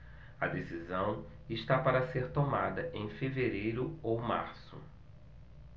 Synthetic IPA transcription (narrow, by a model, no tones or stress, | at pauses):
ɐ̰d̪esizɐ̃w̃ | ɪʃt̪apaɾɐseɾt̪omad̪ɐʔẽj̃feveɾejɾʊowma̰ɾsʊ̰